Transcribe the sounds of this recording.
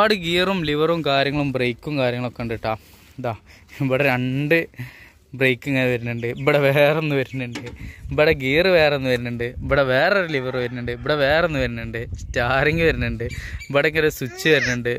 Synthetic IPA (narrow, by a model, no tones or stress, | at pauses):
aːɽɨɡiːrumliʋɐrumkaːɾʲjɐŋːɐɭumbrejkːumkaːɾjɐŋːɐɭokːeɳɖiʈːaː | d̪aː | ʋɐɽeɾɐɳɖɨ | brejkːuŋːɐnʋɐɾunːɨɳɖɨiʋɐɽeʋeːrenːɨʋɐɾunːiɳɖɨbɐɽeɡiːrɨʋe̞ːreonːɨʋɐɾunːuɳɖɨiʋɐɽeʋeːreoɾeliʋɐrɨʋɐɾunːuɳɖɨiʋiɽeʋe̞ːreonːɨʋɐɾunːɨɳɖɨtːaːɾeŋɡiʋɐɾunːɨɳɖɨibɐɽeŋɡɐɾesut͡ɕːɨʋɐɾunːuɳɖɨ